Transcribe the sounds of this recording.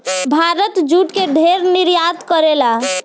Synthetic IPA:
bʱaɾət̪d͡ʒuʈkeɖʱeɾniɾjad̪kəɾela

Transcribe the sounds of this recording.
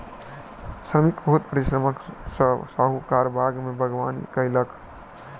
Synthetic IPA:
sɾəmikbəut̪̚pɾisɾəməkssaɦukaɾbʱaɡmebʱəɡʋaːnḭkəɪlək

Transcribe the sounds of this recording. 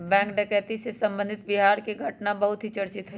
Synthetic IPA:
bɛ̃ːŋkɖɛkɛːt̪isesɐ̃mbə̃nd̪ʱɪt̪bɪɦaːɾkeɡʱɐʈnabɐɦʊt̪ɦit͡ʃɐɾt͡ʃɪt̪ɦɛ

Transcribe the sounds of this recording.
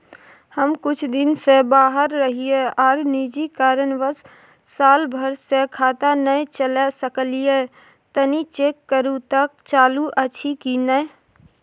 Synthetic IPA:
həmkʊt͡ʃʰd̪ɪnsebaːɦəɾːəɦieɔːɾnid͡ʒikaːɾənʋəs | saːlbʱəɾsekʰaːt̪anəjt͡ʃəlɛsəklije | t̪ənit͡ʃeːkːəɾut̪ək̚t͡ʃaːluʔət͡ʃʰikinə

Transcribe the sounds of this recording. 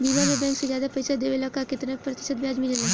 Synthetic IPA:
biːbaɾebɛ̃ːŋksed͡ʒjaːd̪apɐɪsad̪eːʋelakakɪt̪napɾɐt̪ɪ̥ʃət̪̚bjaːd͡ʒmɪlene

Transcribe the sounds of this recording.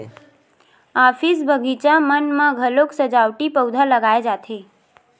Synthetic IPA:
afisbʱəɡʱit͡ʃamənmãɡʱəloksəd͡ʒawʈipəwd̪ʱaləɡaed͡ʒat̪ʰe

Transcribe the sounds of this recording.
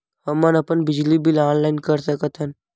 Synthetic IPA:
həmːanɐpənbɪd͡ʒlibilaːnlaːinkəɾsəkət̪ʰən

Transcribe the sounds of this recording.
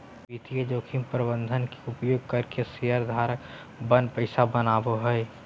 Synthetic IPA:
bit̪ijed͡ʒoːkʰimpɾəbə̃nd̪ʱənke̥ʊpjoːɡ̚kəɾkesijəɾd̪ʱaːɾək | bənpəɪsabənaːboɦəj

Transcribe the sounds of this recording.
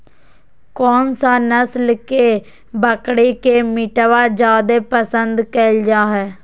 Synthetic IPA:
kɔːnsaːnəslkeː | bəkɽiːkeːmiʈʋaːd͡ʒaːd̪eːpəsənd̪kəld͡ʒaːɦɛː

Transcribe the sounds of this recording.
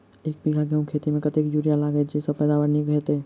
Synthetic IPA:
eːk̚biɡʱaɡʱəũkʰeːt̪imẽkət̪ekjuɾijalaːɡɛt̪̚d͡ʒesəb̚pɛːd̪aʋəɾniɡʱəet̪ɦɛː

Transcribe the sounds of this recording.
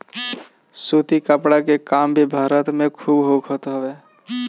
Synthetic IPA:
suːt̪ikəpɽakekaːmbʱibʱaːɾət̪mẽkʰuːbɦoːkʰɦot̪ɦɛʋeː

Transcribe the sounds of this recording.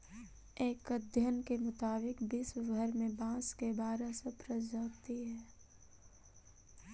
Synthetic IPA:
eːkəd̪ʱjənkemʊt̪aːbɪkbɪswɡʱɐɾmẽbãːskebaːɾasɐpɾəd͡ʒaːkt̪iɦɛː

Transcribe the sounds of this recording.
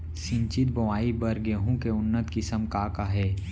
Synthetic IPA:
sɪ̃ɲt͡ʃɪt̪̚bɐʋaːibɐɾɡeɦũkeʊnːət̪kɪsəmkaːkaɦɛː

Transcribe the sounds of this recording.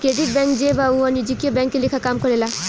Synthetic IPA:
kɾeɖiʈ̚bɛ̃ŋkd͡ʒebaũɔnid͡ʒikijɔbɛ̃ŋkːelekʰakamkɔɾela

